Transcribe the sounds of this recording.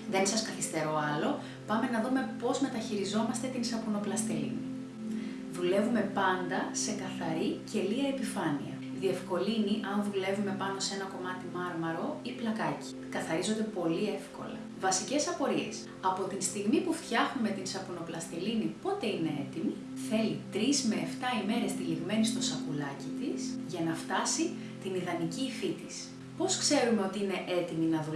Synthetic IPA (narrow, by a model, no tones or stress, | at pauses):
ðe̞nsɐskɐθist̪e̞ɾo̞ɐlo̞ | pɐme̞nɐðume̞po̞zme̞t̪ɐçiɾizo̞mɐst̪e̞t̪insɐpuno̞plɐst̪elḭni | ðule̞vume̞pɐnd̪ɐse̞kɐθɐɾice̞liɐepifɐnḭɐ̰ | ðie̞fko̞liniʔɐnðule̞vume̞pɐno̞se̞nɐko̞mɐt̪imɐɾmɐɾo̞iplɐkɐci̥kɐθɐɾizond̪e̞po̞lie̞fko̞̰lɐ̰ | vɐsice̞sɐpo̞ɾie̞̰s | ɐpo̞t̪inst̪iɣmipuft̪çɐxume̞t̪insɐpuno̞plɐst̪elinipo̞t̪e̞ine̞e̞t̪imi | θe̞lit̪ɾizme̞ːft̪ɐime̞ɾe̞st̪iliɣme̞nist̪o̞sɐpulɐcit̪isʝɐnɐft̪ɐsi | t̪iniðɐnicifit̪is | po̞skse̞ɾume̞o̞t̪iine̞ʔe̞t̪iminɐðu